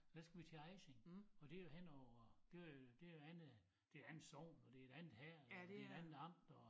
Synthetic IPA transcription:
d̥æsɡ̥ʋit͡sʰeeɪɕeŋɒ̽d̥e̝johen̰ɒʊɐd̥e̝ʋɑjod̥e̝oænð̩ˠ | d̥e̝ænð̩ˠsɒʊ̰nɒd̥e̝e̝dænð̩ˠhæɐ̰elɐ̥eeɾænð̩ˠɑ̈m̰d̥ɒ

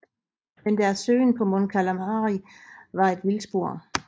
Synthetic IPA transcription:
mend̥æɐsøːnpʰɒ̽mɔnkʰælæmɑːʁiʋɑ̈e̝d̥ʋilsb̥o̝ɐ̰

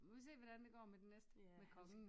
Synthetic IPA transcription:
es̬e̝̰ːʋɒɾænd̥e̝ɡ̥ɒ̰ːmed̥enesd̥əmekʰɒs

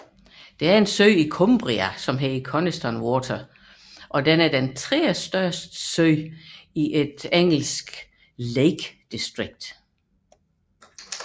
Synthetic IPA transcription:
d̥e̝æɐe̝nsøɪikʰɔmb̥ʁiæsɒ̽mɦeikʰɒnesd̥ɒnwɔt͡sʰɐ | ʔɒ̽denæɐd̥ent͡sʰʁɛ̰ːɐsd̥ɶɐsd̥əsøɪ̰iʔe̝d̥eŋ̰l̩sɡ̥ | leɪɡ̥d̥isd̥ʁiɡ̥̚d̥

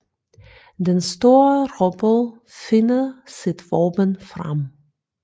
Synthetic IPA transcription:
dɛnstoːrɔbəlˠ | fɪnəsɪtʋoːpənfra̰m

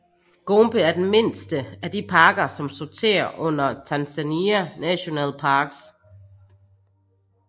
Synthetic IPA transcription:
ɡ̥omb̥əæɐd̥enme̝n̰sd̥əæd̥ipʰɑ̈ːɡ̥ɐsɒ̽msot͡sʰe̝̰ːɐʔɔ̽n̰ɐt͡sʰænsæniænæɕo̝nɛ̰ːlpʰɑ̈ːɡ̥s

